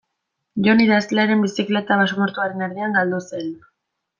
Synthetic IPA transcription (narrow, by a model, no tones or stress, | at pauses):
ʝo̞niðasleaɾe̞mbisikle̞t̪aβasomoɾt̪uaɾe̞naɾðiaŋɡald̪use̞n